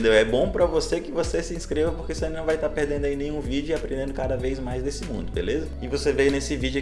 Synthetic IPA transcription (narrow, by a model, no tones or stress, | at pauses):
d̪ewɛbõpɾɐvosekɪvosesɪĩskɾevɐpoɾkeoseẽnnɐ̃w̃vajt̪aɾpeɾd̪ẽnd̪ʊainẽj̃ũvid͡ʒʊapɾẽnd̪ẽnd̪ʊkad̪ɐvejzmajzd̪esɪmṵ̃d̪ʊbḛlezɐɪvosevejnesɪvid͡ʒʊ